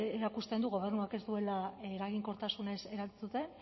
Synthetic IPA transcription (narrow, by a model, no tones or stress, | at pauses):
eɾakust̪e̞nd̪uɣ̞o̞β̞e̞rnuake̞zd̪ue̞laeɾaɣ̞iŋko̞ɾt̪asune̞se̞ɾalt͡sut̪e̞